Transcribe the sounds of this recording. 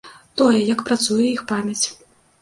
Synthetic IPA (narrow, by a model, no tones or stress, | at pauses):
t̪ɔjɛjɐkpɾat̪sujɛixpamʲɐt͡sʲ